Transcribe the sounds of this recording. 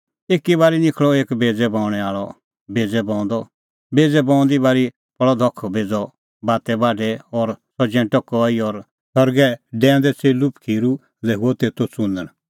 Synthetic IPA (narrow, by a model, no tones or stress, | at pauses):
eːkːiβaːɾinɪkʰɭɔeːkbeːd͡zɛbaːʊɽ̃ɛaːɭɔ | beːd͡zɛbɔ̃ːʊ̃nd̪ɔ | beːd͡zɛbɔ̃ːʊ̃nd̪ibaːɾi | pʰɐɭɔd̪ʱɔkʰbeːd͡zɔ | baːt̪ɛbaːɖʱɛɔɾsɔd͡ʒɛ̃ːʈɔkɔiɔɾ | sɔɾɡɛɖɛ̃ːnd̪ɛt͡seːlupkʰiːɾu | lɛɦuɔt̪eːt̪ot͡sũnd̪əɽ̃